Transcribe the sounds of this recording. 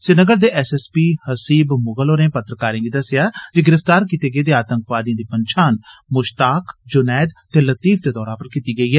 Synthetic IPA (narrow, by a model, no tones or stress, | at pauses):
sɪnəɡəɾd̪eːʔɛsɛspiːhəsiːbmʊɡəloːɾẽːpət̪ɾəkaːɾẽːɡiːd̪əsːɪjaːd͡ʒeɡɪɾəft̪aːɾkit̪eːɡəeːd̪eːaːt̪ə̃ŋkʋaːd̪ijãːd̪iːpənt͡ʃʰaːnmʊʃt̪aːkd͡ʒʊnɛːd̪t̪eːlət̪iːfd̪eːd̪ɔːɾãːpəɾkiːt̪iːɡəiːɦɛː